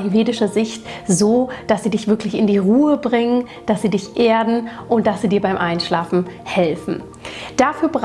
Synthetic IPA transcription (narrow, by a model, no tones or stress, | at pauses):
hiveːdɪʃɐzɪçtzoːd̥asz̥iːdɪçv̥ɪɐklɪçɪndiːʁuːəbʁɪŋən | d̥asz̥iːdɪçʔeːɐdn̩ʔʊnt̚d̥asz̥iːdiːɐbaɪmʔaɪnʃlaːfn̩hɛlfn̩ | d̥aːfyːɐbʁ